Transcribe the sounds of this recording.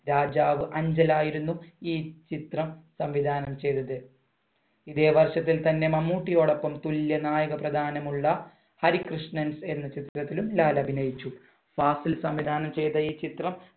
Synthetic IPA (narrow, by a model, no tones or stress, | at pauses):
ɾaːd͡ʑaːʋɨʔɐɲd͡ʑɐlaːjiɾunːuiːt͡ɕit̪rɐmsɐmʋid̪ʱaːnɐmt͡ɕe̞jt̪ːɐðɨ | iðe̞ːʋɐrʂɐt̪ːilt̪ɐnːe̞mɐmːuːʈːijo̞ːɽo̞pːɐmt̪uljɐnaːjɐɣɐprɐd̪ʱaːnɐmuɭːɐ | hɐɾikrɨʂnɐnse̞nːɐt͡ɕit̪rɐt̪ːilumlaːlɐbʱinɐjit͡ɕːu | faːsilsɐmʋid̪ʱaːnɐmt͡ɕe̞jt̪ɐiːt͡ɕit̪rɐm